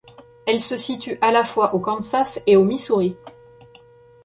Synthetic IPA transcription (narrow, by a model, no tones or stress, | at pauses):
ɛlsəsit̪yʔalafwaʔokɑ̃nsaseomisuʁi